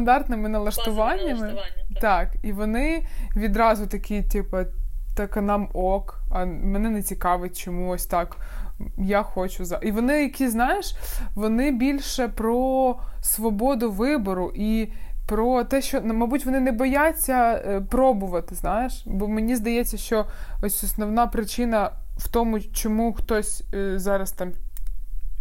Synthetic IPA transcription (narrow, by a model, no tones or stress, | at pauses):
st̪ɐnd̪ɑrt̪nɪmɪnɐlˠɐʃt̪ʊʋɑnʲːɐmɪt̪ɑkiʋɔnɪʋʲid̪ɾɑzʊt̪ɐkʲitʲipɐt̪ɐkɐnɑmɔkɐmenɛnɛt͡sʲikɑʋɪt̚ʲt͡ʃɔmuɔsʲt̪ɑk | jaxɔt͡ʃʊzɐʔiʋɔnɪjɐkʲiznɑjeʃʋɔnɪbʲilʲʃɛpɾɔsʋɔbɔd̪ʊʋɪbɔɾʊʔipɾɔt̪ɛʃt͡ʃɔnmɐbutʲʋɔnɪnɛbɔjat͡sʲːɐpɾɔbʊʋɐt̪ɪznɑjeʃbɔmenʲizd̪ɐjɛt͡sʲːɐʃt͡ʃɔɔsʲɔsnɔʋnɑpɾɪt͡ʃɪnɐwt̪ɔmʊt͡ʃɔmuxt̪ɔsʲzɑɾɐst̪ɑm